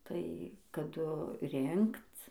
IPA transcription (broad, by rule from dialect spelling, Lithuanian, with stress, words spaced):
tɐɪ kɐˈdʊ ˈrʲɪŋkt͡s